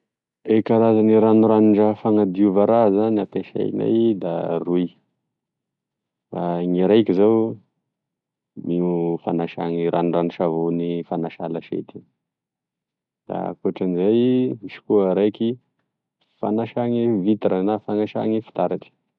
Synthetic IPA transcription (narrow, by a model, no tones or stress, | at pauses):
ekaɾazaniɾanuɾaniɳɖ͡ʐafaŋad̪iuvaɾazanap̪eʃa̰jna̰jd̪aruj | faŋiɾajkizaw | miufanaʃa̰ŋiɾanuranuʃavonifanaʃalaʃḛt̪i | d̪̥a̰kuaʈ͡ʂanizajmiʃi̥kuəɾajki | fa̰naʃaŋivit̪aɾanafaŋaʃa̰ŋifi̥t̪aɾaʈ͡ʂə̥